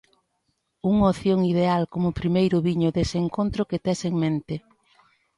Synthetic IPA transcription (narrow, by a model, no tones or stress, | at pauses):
uŋoθjoŋið̞ealkomʊpɾimejɾʊβiɲʊðeseŋkont̪ɾʊket̪ɛseŋmẽnt̪ɪ